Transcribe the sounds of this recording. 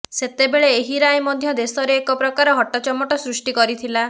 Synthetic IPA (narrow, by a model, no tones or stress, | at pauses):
set̪ebeɭeeɦiɾajmɔd̪ʱjɔd̪esɔɾeːkɔpɾɔkaɾɔɦɔʈːɔt͡ʃɔmːɔʈɔsɾuʂʈikɔɾit̪ʰila